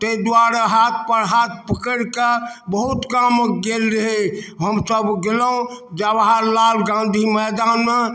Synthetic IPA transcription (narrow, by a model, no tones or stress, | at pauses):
t̪ed̪aɾaɦat̪̚ʰpəɾɦat̪̚ʰpəkəɽkebəɦut̪kamɡelɾəɦeɦəmsəbɡeləũd͡ʒawaɦaɾlalɡãnd̪ʱimɛd̪anme